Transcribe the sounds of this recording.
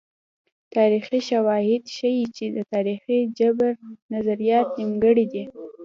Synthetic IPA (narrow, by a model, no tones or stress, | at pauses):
t̪ɑɾixiʃawɑhɪd̪ʃəjit͡ʃed̪ət̪ɑɾixid͡ʒabɾnazaɾijɑt̪nimɡəɽid̪i